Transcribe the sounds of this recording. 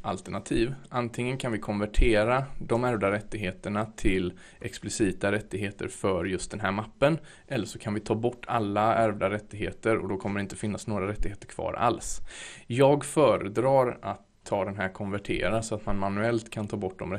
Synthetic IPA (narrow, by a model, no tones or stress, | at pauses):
ʔa̰lt̪əɳat̪ʰiːvʔant̪ʰɪŋːənkʰanvɪkʰɔnvæʈʰeːɾad̪ɔmæɾvd̪aɾɛt̪ːɪɡɦeːt̪əɳat̪ʰɪl | ʔɛksplɪsiːt̪aɾɛt̪ːɪɡɦeːt̪ə̰ɾfœɾjɵst̪d̪ɛnɦæːɾmapːən | ʔɛlːəʂɔkʰanvɪt̪ʰɑːbɔʈʰːa̰lːaæɾvd̪aɾɛt̪ːɪɡɦeːt̪əɾɔ̰d̪ɔkʰɔmːəɾɪnt̪əfɪnːasnoːɡɾaɾɛt̪ːɪɡheːt̪əɾkʰv̥ɑ̰ːɾa̰lsjɑːɡfœːɾəd̪ɾɑːɾat̪ʰːɑːd̪ɛnɦæːɾkʰɔnvæʈʰḛːɾasɔat̪manmanʉɛlt̪kʰant̪ʰɑːbɔʈ̚ːd̪ɔ̰m